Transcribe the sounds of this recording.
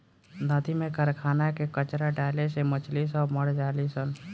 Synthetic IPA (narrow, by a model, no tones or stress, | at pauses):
nəd̪imẽkəɾkʰaːnakekət͡ʃɾaɖaːlesemət͡ʃlisəməɽd͡ʒaːlisən